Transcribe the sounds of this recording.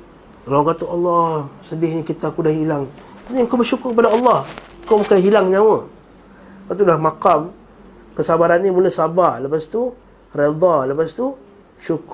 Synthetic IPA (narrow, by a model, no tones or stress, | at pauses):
kalawkat̪aɑlːɑhsəbɪhɲəkit̪akudaɦilaŋ | aɲŋkawbərʃukʊrkəp̬adaɑlːɑh | komakajɦilaŋɲawə | pat̪̬ulahmakam | kəsabaɾanːimuləsabarləpast̪u | red̪ˤɑləpast̪u | ʃukʊr